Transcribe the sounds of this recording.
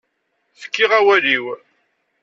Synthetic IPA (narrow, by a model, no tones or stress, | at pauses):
θə̥kːiʁæwæliw